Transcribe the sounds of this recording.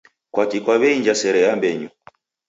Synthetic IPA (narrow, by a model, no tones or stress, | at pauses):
kwakikwaβɛiɲd͡ʒasɛɾɛjambɛɲu